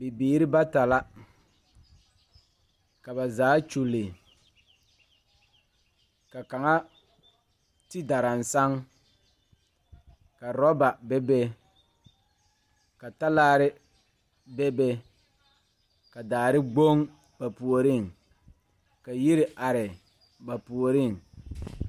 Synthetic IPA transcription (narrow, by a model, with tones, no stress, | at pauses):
bɪ˨biː˨ɾɪ˦ba˦ta˨la˦ | ka˨ba˨zaː˨˦t͡ʃu˨lɪ˨ | ka˨ka˨ŋa˦ | tɪ˦da˨ɾa˨n˨sa˦ŋ | ka˨ɾɔ˦ba˨bɛ˦be˦ | ka˨ta˦laː˦ɾɪ˦ | bɛ˦be˦ | ka˨daː˨ɾɪ˦ɡ͡bo˦ŋ | ba˨pu˨o˨ɾɪ˦˨ŋ | ka˨ji˦ɾɪ˨ʔa˨ɾɪ˨ | ba˨pu˨o˨ɾɪ˦˨ŋ